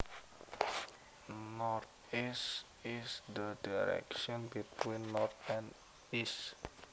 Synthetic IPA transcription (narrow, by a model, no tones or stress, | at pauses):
nɔrt̪̚ | is | isd̪ədaɾɛ̰kʃɔnbit̪winːɔrt̪̚ɛ̃n | is